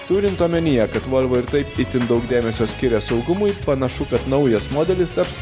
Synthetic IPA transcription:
t̪uːɾʲɪnt̪oːmʲɛnʲɪjɛkɐt̪ʋɐlʲʋoːɪɾt̪ɐɪpɪt̪ʲɪnd̪ɒʊɡd̪ʲæːmʲɛsʲoːsʲkʲɪɾʲɛsɒʊɡʊmʊjpɐnɐʃʊkɐt̪nɒʊjɛsmoːd̪ʲɛlʲɪst̪ɐps

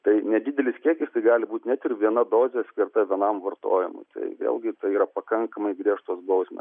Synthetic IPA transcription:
t̪ɐɪnʲɛd̪ʲɪd̪ʲɛlʲɪskʲiɛkʲɪst̪ɐɪɡɑːlʲɪbuːt̪ʲnʲɛt̪ɪrʋʲiɛnɐd̪oːzʲɛɐt̪sʲkʲɪrt̪ɐʋʲiɛnɐmʋɐrt̪o̰ːjɪ̰mʊ̰ɪt̪ɐ̰ɪʋʲḛːlˠɡʲɪt̪ɐɪiːɾɐpɐkɐŋkɐmɐɪɡɾʲiɛʃt̪oːsbɐʊsʲmʲɛ̰

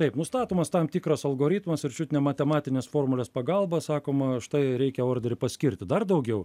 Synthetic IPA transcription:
t̪ɐɪpnʊst̪ɑːt̪oːmɐst̪ɑmt̪ʲikɾɐsɐlˠɡoːɾʲɪt̪mɐsɪɾʲt͡ʃʲut̪ʲɪnʲemɐt̪ʲɛmɑːt̪ʲɪnʲeːsfoːrmʊlʲeːspɐɡɐlˠbɐsɑːkoːmɐʃt̪ɐɪɾʲɛɪkʲɛoːrʲd̪ʲeɾʲɪpɐsʲkʲɪɾʲt̪ʲɪd̪ɐrd̪ɐʊɡʲɛʊ

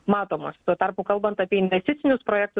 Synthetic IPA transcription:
mɑːt̪oːmɐst̪uɔt̪ɐrpʊkɐlˠbɐnt̪ɑpʲiɛɪnʲʋʲɛsʲt̪ʲɪt̪sʲɪnʲʊspɾoːjɛːk̚t̪ʊ

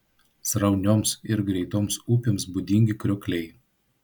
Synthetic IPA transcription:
sɾɐʊnʲoːmsɪɾɡɾʲɛɪt̪oːmsuːpʲoːmsbʊd̪ʲɪŋʲɡʲɪkɾʲʊkʲlʲɛɪ

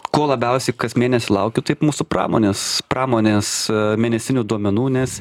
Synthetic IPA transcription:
koːlˠɐbʲɛʊsʲɛɪkɐsmʲeːnʲɛsʲʊlˠɐʊkʲʊt̪ɐɪpmuːsʊprɑ̰ːmoːnʲeːspɾɑːmoːnʲeːsmʲeːnʲɛsʲɪnʲʊːd̪uɔmʲɛnuːnʲɛs

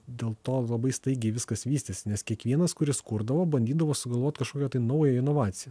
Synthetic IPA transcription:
d̪ʲeːlˠt̪oːlˠɐbɐɪst̪ɐɪɡʲɛɪʋʲɪskɐsʋʲiːst̪ʲɪsʲɪnʲɛskʲiɛkʋʲiɛnɐskʊɾʲɪskʊɾd̪ɐʋoːbɐnʲd̪ʲiːd̪ɐʋoːsʊɡɐlˠʋoːt̪ʲkɐʃkoːkʲɛt̪ɐɪnɐʊjɛɪnoːʋɑːt̪sʲɪjɛ

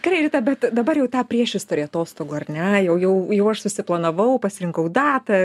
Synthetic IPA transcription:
kɾɐɪɾʲɪt̪ɐbʲɛt̪d̪ɐbɐrjɛʊt̪ɑːpʲrʲiɛʃʲɪst̪ʊɾʲeɐt̪oːst̪oːɡoːɐrʲnʲɛjɛʊjɛʊjɛʊɐʃsʊsʲɪplˠɐnɐʋɐʊpɐsʲɪɾʲɪŋkɐʊd̪ɑːt̪ɐ

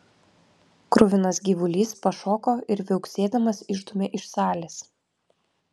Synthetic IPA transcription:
kɾʊʋʲɪnɐsɡʲiːʋʊlʲiːspɐʃoːkoːʔɪɾʋʲɛʊksʲeːd̪ɐmɐsɪʒd̪ʊmʲeːʔɪʃsɑːlʲes

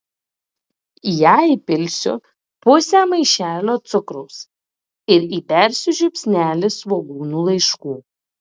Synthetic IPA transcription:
jæipʲɪlʲsʲʊ̰ | pʊsʲæːmɐɪʃʲæːlʲoːt̪sʊkɾʊːs | ɪɾiːpʲæɾʲsʲʊʒʲʊpʲsʲnʲæːlʲɪsʋoɡuːnuːlˠɐɪʃkuː

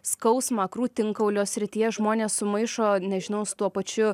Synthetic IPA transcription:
skɐʊsmɑkɾuːt̪ʲɪŋkɐʊlʲoːsʲɾʲɪt̪ʲiːjɛʒmoːnʲeːssʊmɐɪʃoːnʲɛʒʲɪnɐʊsʊ̥t̪uɔpɐt͡ʃʲʊ

